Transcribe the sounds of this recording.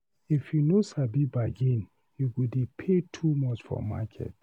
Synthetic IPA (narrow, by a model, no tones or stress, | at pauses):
ifjunosabibaɡẽn | juɡudipʰetʰumɔt͡ʃfɔ̰ma̰kʰɛ̰t̚